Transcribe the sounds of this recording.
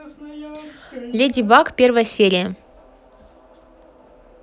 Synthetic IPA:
lʲedʲibɑkpʲervəjəsʲeɾʲɪjə

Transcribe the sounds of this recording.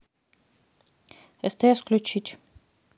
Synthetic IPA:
ɛst̪ɐjasklʲut͡ɕitʲ

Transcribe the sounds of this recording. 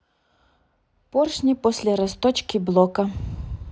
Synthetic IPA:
pɔrʃnʲipɔsʲlʲɐɾɐst̪ɔt͡ʃkʲiblˠɔkɐ

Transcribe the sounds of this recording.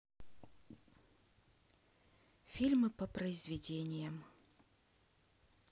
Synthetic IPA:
fʲilʲmɨpəpɾəɪzvʲɪdʲenʲɪjəm

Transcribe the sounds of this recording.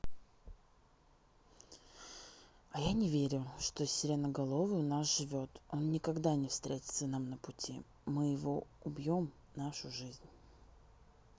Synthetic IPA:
ɐjanʲɪvʲeɾʲʊʂt̪o̞sʲɪlʲɪnəɡɐlˠo̞vɨʊnasʐɨvʲo̞t̪o̞nnʲɪkɐɡd̪anʲɪfst̪ɾʲetʲɪ̥t̪sənamnəpʊtʲʰḭ | mɨjɪvo̞ʊbʲjo̞m | naʂʊʐɨzʲnʲ

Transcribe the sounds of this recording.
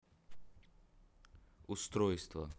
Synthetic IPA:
ʊst̪ɾojst̪və̰

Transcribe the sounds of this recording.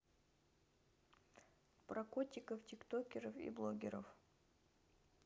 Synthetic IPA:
pɾɐkotʲɪkəftʲɪkt̪okʲɪɾəfḭblˠoɡʲɪɾə̰f

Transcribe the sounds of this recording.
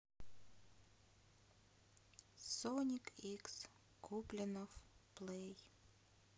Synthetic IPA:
sonʲikiks | kʰuplʲɪnofplej

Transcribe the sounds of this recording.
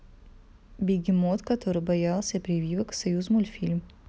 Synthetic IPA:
bʲiɡʲiɪmot̪kɐt̪ʰoɾɨbɐjalˠsʲɐpɾʲivʲivɐksɐjuzmulʲfʲilʲm

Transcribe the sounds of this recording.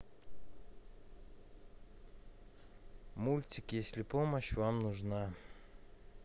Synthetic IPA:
mulʲtʲɪkjesʲlʲɪpoməɕvamnʊʐna

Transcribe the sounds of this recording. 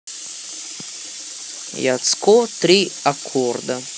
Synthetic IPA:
ja̰t̪skot̪ɾʲiakʰːɔrd̪a

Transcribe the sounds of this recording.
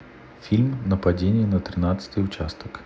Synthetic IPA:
fʲilʲmnəpad͡zʲenʲɪjənɐt̪ɾɨnat̪sə̥t̪ɨjʊt͡ɕast̪ək

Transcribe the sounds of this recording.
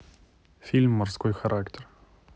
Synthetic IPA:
fʲilʲmːʊrskojxɐɾʔaktʲer

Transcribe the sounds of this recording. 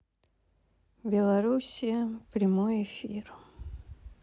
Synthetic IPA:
bʲɪlˠɐɾusʲɪjəpɾʲɪmojɪfʲir

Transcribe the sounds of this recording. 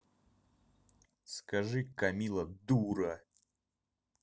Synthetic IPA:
skɐʐɨkɐmʲilˠəd̪uɾɐ

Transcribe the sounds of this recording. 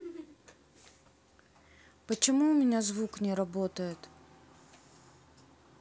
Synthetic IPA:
pət͡ɕɪmuʊmʲɪnʲazvuknʲɪɾɐbot̪əjɪt̪

